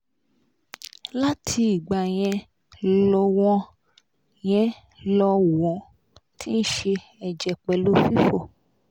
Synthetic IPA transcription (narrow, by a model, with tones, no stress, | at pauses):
la˦tʰi˧i˨ɡ͡ba˨j̃ɛ̃˧ | lɔ˧wɔ̃˧ | j̃ɛ̃˨ | lɔ˧˨wɔ̃˨˦ | tʰi˦n̩˦ʃe˧ | ɛ˨d͡ʒɛ˨k͡pɛ˨lo˦fi˦fo˦˨